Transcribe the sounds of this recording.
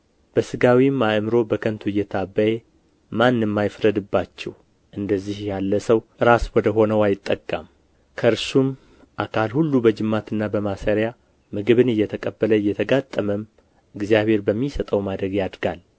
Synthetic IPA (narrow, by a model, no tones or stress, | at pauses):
b̥əsɨɡawimaʔmɨɾo̞bəkʰənt̪ʰuɨjːɛt̪ʰabːəje | manːɨmːajfɾəd̪ɨbːat͡ʃːɛw | ʔɨnd̪əzːihjalːəsəwʔɨɾaswɔd̪əɦo̞nəwajɪt̪ʼːəkʼːa̰m | kʰəɨɾsum | ʔakʰalhulːubəd͡ʒɨmːat̪ʰɨnːabəmasəɾja | mɨɡɨβɨnɨjːɛt̪ʰəkʼəbːələjːɛt̪ʰəɡat̪ʼːəməm | ɨɡzijaβhe̞ɾbəmːisət̪ʼəwmad̪ɾəɡjad̪ɡal